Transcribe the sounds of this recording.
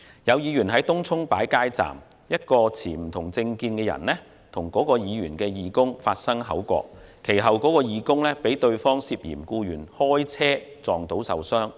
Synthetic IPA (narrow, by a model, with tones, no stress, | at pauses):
jɐ˨˧wjiː˨˧jyː˨˩nɦɐ˨˥jt̪ʊ˥ŋt͡sʰʊ˥ŋpa̰ː˨˥jkaː˥jt͡sa̰ː˨˩m | jɐ˥t̚kɔː˧t͡sʰiː˨˩m̩˨˩t̪ʰʊ˨˩ŋt͡sɪ˧ŋkiː˧nkɛː˧jɐ̰˨˩nlɛ˥ | t̪ʰʊ˨˩ŋkɔː˨˥kɔː˧jiː˨˧jyː˨˩nkɛː˧jiː˨˧kʊ˥ŋfaː˧t̚sɐ˥ŋɦɐ̰˨˥wkʷɔ̰ː˧k̚kʰːe˨˩jɦɐ˨wkɔː˨˥kɔː˧jiː˨˧kʊ˥ŋlɛː˥pe˨˥jt̪ɵ˧ɥfɔː˥ŋsi˧p̚jḭː˨˩mkuː˧jyː˨˩nhɔː˥jt͡sʰɛː˥t͡sɔː˨˩ŋt̪o˨˥wsɐ̰˨wsœː˥ŋ